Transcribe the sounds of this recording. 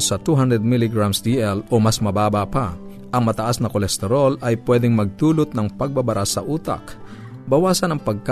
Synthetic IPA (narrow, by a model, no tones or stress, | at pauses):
sɐt̪uɦand̪ɾɛd̪̚milɪɡɹamsd̪iʔɛlʔomasmɐbaːbapa | ʔɐŋmɐt̪ɐʔasnɐkolɛst̪ɛɾolɐjpwɛːd̪ɪŋmɐɡ̚t̪uːlʊt̪̚nɐŋpɐɡ̚babɐɾʔasɐʔuːt̪a̰k | bɐwaːsɐnɐŋpɐɡ̚k